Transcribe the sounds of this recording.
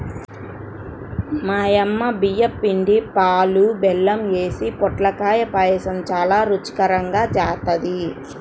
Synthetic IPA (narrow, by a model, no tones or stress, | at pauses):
maːjɐmːɐbijɐpːiɳɖipaːlubɛlːɐmjeːsipɔʈlɐkaːjɐpɐːjɐsɐmt͡ʃaːlaːɾut͡ʃi̥kɐɾɐŋɡaːt͡ʃaːt̪ɐd̪i